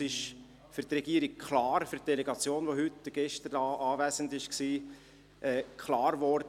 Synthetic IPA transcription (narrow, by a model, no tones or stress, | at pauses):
ɪʃ | fyɾt̪rɛɡ̥iːəɾiɡ̚kʰlɑːɾfyɾt̚d̥ɛlɛɡɑt͡sjoːnʋoɦʏtdəɡ̥ɛʃtəɾɑɑːvæːsəndɪʃksiː | ʔɛːkʰχlɑːɾʋɔɾ